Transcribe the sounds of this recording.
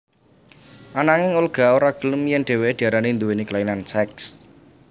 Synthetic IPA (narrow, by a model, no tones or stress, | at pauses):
ʔanaŋɪŋulɡ̥a̤oɾaɡ̥ələmjɛŋɖ̥e̤weed̪̥iaɾanend̪uweniklainansɛks